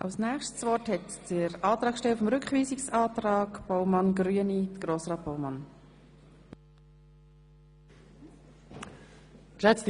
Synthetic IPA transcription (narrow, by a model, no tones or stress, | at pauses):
ʔɑ̰ʊsnɛːχʃtsvɔthɛtd̥əɾɑːt̪ɾɑːkʃtɛlfɔmɾʏkχviːsɪksɑːtrɑːɡb̥oʊmɑnɡryənidɡ̥ɾoːsrɑːt̚b̥owmɑn | tlɛt͡st